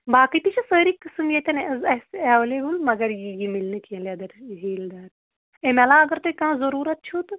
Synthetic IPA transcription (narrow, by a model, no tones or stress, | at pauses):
baːkit̪it͡ʃʰisəːɾikɨsɨmjet̪ɐnɐzɐseʋleːbɨlmɐɡɐɾjijimilnɨkijɐ̃lʲɐd̪ɐɾɦiːld̪aːɾ | emɐlãːɐɡɐɾt̪ɨkãːzɐɾuːɾɐt̪̚t͡ʃʰut̪